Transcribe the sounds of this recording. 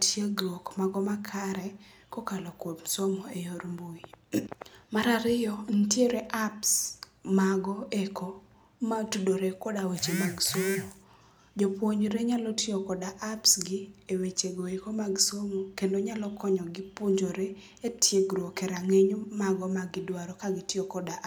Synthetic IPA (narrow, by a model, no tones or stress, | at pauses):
tjeɡɾokmaɡɔmakʰaɾɛ | kokalɔkwopsomoejoɾmboi | maɾaɾɪjɔn̩tjeɾeʔaps | maɡɔeko | matudoɾekɔdawet͡ʃemaɡsomo | d͡ʒopwoɲɾeɲalɔtɪɔkɔdaʔapsɡɪewet͡ʃeɡoekomaɡsomokendoɲalɔkɔɲɔɡɪpuɲd͡ʒoɾe | etjeɡɾɔkɛɾaŋeɲomaɡɔmaɡɪdwaɾɔkaɡɪtɪɔkɔdaʔ